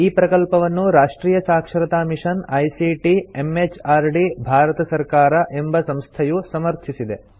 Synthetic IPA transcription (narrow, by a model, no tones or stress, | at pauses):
iːpɾɐkɐlpɐʋɐnːuɾaːʂʈɾiːjɐsaːkʂɐɾɐt̪aːmiʂɐnɐjsiʈiemet͡ʃaːɾɖibʱaːɾɐt̪ɐsɐɾkaːɾɐʔe̞mbɐsɐmst̪ʰɐjusɐmɐɾt̪ʰisid̪e̞